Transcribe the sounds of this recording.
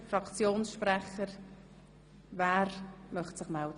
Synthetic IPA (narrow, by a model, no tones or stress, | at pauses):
fɾɑkt͡sjoːnsʃpɾɛχəɾ | væːɾmœχtsɪχmɛld